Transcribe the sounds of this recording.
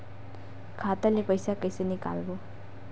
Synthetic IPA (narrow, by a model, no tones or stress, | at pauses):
kʰat̪alepʌjsakʌjsʌnika̰lbo